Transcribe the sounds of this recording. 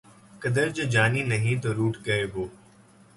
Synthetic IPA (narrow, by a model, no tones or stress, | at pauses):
kəd̪əɾd͡ʒəd͡ʒaːniːnəɦĩːt̪̬oːɾuːʈkəeːboː